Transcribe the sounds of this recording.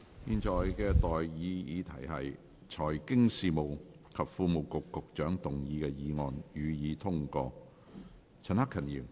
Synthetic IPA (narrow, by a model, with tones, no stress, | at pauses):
jiː˨˧nt͡ʃɔː˨jkɛː˧t̪ɔː˨jjiː˨˧jiː˨˧t̪ʰɐ˨˩jhɐ˨j | t͡ʃʰɔː˨˩jkɪ˥ŋsiː˨˧mo˨w | kʰɐ˨p̚fuː˧mo˨wkʊ˨kːʊ˨k̚t͡ʃœː˨˥ŋt̪ʊ˨ŋjiː˨˧kɛː˧jiː˨˧ŋɔː˨˧njyː˨˧jiː˨˧t̪ʰʊ˥ŋkɔː˧ | t͡sʰɐ˨nhɐ˥kʰːɐ˨˩njiː˨˩m